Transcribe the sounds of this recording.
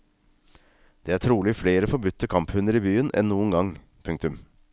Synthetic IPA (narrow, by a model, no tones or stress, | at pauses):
d̪̥eːæːʈʰɾuːlɪfleːɾəfɔɾbʉt̪ʰːəkʰɑmphʉnəɾibyːənʔɛ̰nːuːənɡɑŋ | pʰʉŋkt̪ʉm